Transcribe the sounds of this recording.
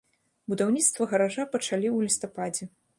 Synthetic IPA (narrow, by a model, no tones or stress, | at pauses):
bud̪awnʲit̪st̪vɐɣɐɾaʐapɐt͡ʂalʲiwlʲist̪apad͡zʲɛ